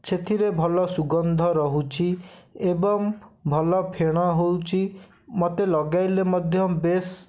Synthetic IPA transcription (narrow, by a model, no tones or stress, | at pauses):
t͡ʃʰet̪ʰiɾebʱɔlɔsuɡɔnd̪ʱɔɾɔɦut͡ʃʰiebɔŋbʱɔlɔpʰeɽ̃ɔɦowt͡ʃʰi | mɔt̪elɔɡajlemɔd̪ʱjɔbes